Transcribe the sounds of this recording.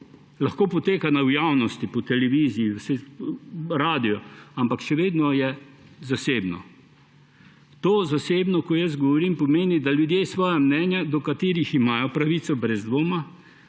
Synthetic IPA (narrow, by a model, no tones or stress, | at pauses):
laxkoːpɔt̪eːkanawjawnɔst̪ipɔt̪ɛlɛʋiːziisɛ | ɾaːd̪ijɔampakʃɛʋeːd̪nɔjɛ | zaseːbnɔ̰ | t̪oːzaseːbnɔkɔjəz̬ɡɔʋɔɾimpɔmeːnid̪aljud̪jeːsʋɔːjamnɛːnjad̪ɔkat̪eːɾiximaːjɔpɾaʋisɔbɾɛzd̪ʋoːma